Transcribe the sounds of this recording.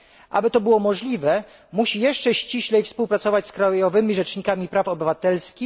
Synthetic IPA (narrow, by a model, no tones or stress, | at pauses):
ʔa̰bɘt̪ɔbɘwɔmɔʐlʲivɛ | muɕijɛʂt͡ʂɛɕt͡ɕiɕlɛjfspuwpɾat̪sɔvat͡ɕʲskɾajjɔvɘmʲiʐɛt͡ʂɲikamʲipɾafɔbɘvat̪ɛlskʲix